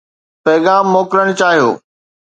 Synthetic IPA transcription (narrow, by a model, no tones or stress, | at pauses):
pɛːɡaːmːoːkɾəɽ̃ʊt͡ɕaːɦijo̰ː